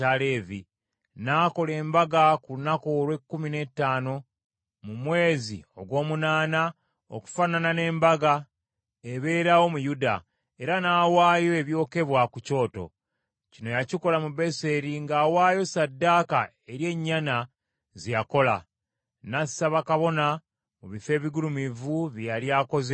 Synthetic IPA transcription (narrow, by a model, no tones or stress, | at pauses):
aleːvi | naːko̞le̞ːmbaɡakuunako̞ːɾwe̞kːumine̞tːaːno̞ | mumwe̞ːzḭo̞ɡwo̞ːmunaːna | o̰ku̥fananane̞ːmbaɡa | eβe̞ːɾawo̞mujuda̰ | e̞ɾanaːwaːjo̞e̞βjo̞ːke̞βwakuco̞ːto̞̰ | cino̞jaciko̞lamube̞se̞ɾiŋɡaːwaːjo̞sadːaːka | e̞ɾje̞ɲːana | zijako̞la̰ | nasaβakaβo̞na | muβife̞ːβiɡulumivuβjaljaːko̞ze